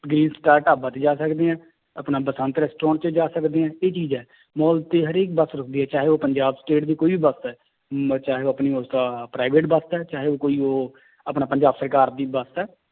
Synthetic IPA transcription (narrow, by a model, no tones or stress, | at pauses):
ɡɾiːnsʈaːɾʈaːbãːt̪eːd͡ʒaːsəkd̪eːɛ̃ː | ə̰pnaːbəsə̃nt̪ɾɛːsʈɾɔ̃ːɳʈt͡ʃəd͡ʒaːsəkd̪eːɛ̃ːeːt͡ʃiːzɛː | mɔːlt̪eːɦəɾeːk̚bəst̪ɾʊkʰd̪iːɦɛːt͡ʃaːɦeːoːpəɲd͡ʒaːbsʈeːʈd̪iːkoːiːbiːbəst̪ɛː | t͡ʃaːɦeːoːəpniːoːst̪apɾaːɪbeːʈbəst̪ɛːt͡ʃaːɦeːoːkoːiːoː | əpnaːpəɲd͡ʒaːbsəɾkaːɾd̪iːbəst̪ɛː